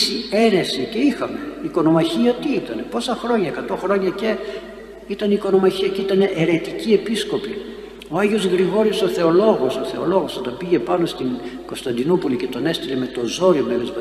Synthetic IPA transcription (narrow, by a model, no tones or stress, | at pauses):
sie̞ɾe̞sice̞ixɐme̞iko̞no̞mɐçiɐt̪iit̪ɐne̞po̞sɐxɾo̞ɲɐekɐt̪o̞xɾo̞ɲɐce̞ | it̪ɐniiko̞no̞mɐçiɐceit̪ɐne̞ʔeɾe̞t̪icie̞pisko̞pi | o̞ɐʝio̞zɣɾiɣo̞ɾioso̞θe̞o̞lo̞ɣo̞so̞θe̞o̞lo̞ɣo̞sot̪ɐmbiʝe̞pɐno̞st̪iŋɡ̥o̞st̪ɐnd̪inupulice̞t̪o̞ne̞st̪ileme̞t̪o̞zo̞ɾiomelezmɐ